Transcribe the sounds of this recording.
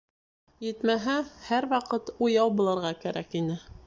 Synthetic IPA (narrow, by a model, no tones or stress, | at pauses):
jɘ̆t̪mæɦæhæɾwɑqɤt̪ujɑwbŭlˠɤ̆ɾʁɑkæɾʔækinɘ